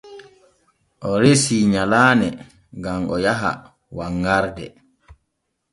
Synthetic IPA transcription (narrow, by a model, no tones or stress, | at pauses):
ʔɔɾesiːɲalaːnɛ | ɡamʔɔjaɦa̰ | waŋːaɾdɛ̰